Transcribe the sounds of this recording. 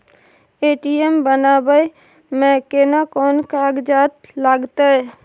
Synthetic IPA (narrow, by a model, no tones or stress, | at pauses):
eːʈiembənaːbəj | mɛ̃kenakɔːnkaːɡd͡ʒaːt̪laːɡt̪aɦɛ